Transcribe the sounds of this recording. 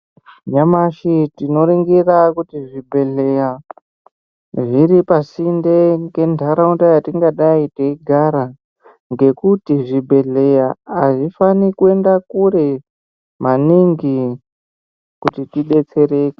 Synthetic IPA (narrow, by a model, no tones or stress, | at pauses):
ɲamaʃitino̞ɾiŋɡirakutiʐibʱe̞ɮeja | ʐiɾipasindeke̞ndʱaɾauntajatiŋɡaɗaiteiɡʱaɾa | ŋɡe̞kutiʐibʱe̞ɮe̞jaaʐifanikue̞ndakuɾe | maniŋɡi | kutitiɗe̞t͡se̞ɾe̞ːke̥